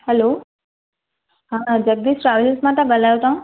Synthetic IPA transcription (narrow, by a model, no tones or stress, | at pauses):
hɛlo | ɦãd͡ʑəɡ̚d̪iːsʈɾaʋilsmãt̪ãɡəlajot̪ã